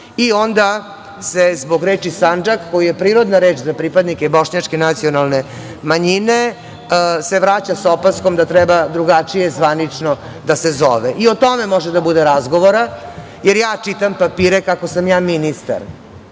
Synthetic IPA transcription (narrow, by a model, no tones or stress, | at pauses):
io̞nd̪a | sezboɡɾeːt͡ʃisand͡ʒakːojijepɾiːɾo̞d̪naɾeːt͡ʃzapɾipad̪nikebo̞ʂɲat͡ʃkenat̪sio̞nalne | maɲine | seʋɾaːt͡ɕasopaskomd̪at̪ɾɛbad̪ɾuɡat͡ʂijezʋanit͡ʂno | d̪asezo̰ʋeʔiot̪o̞memoʒed̪abud̪eɾazɡo̞ʋoɾa | jeɾjaːt͡ʂit̪ampapiːɾekakosamjaːminist̪a̰ɾ